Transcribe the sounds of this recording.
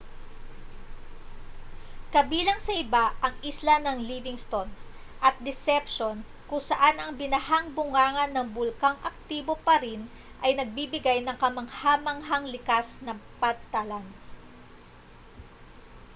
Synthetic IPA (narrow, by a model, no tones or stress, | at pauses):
kɐbiːlɐŋsɐʔɪbaʔɐŋɪslanɐŋlivɪŋst̪o̞nʔɐt̪̚d̪ɛsɛpʃo̞n | kʊŋsɐʔanɐŋbɪnɐhaŋbʊŋaːŋɐnːɐŋbʊlkaŋʔɐk̚t̪iːbo̞pɐɾin | ʔɐjnɐɡ̚bibɪɡajnɐŋkɐmɐŋhaːmɐŋɦaŋlɪkasnɐpɐd̪̚t̪alan